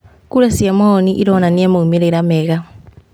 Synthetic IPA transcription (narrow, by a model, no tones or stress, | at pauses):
kulesiemoniʔḭɾonaniemoumiɾeiɾameɣa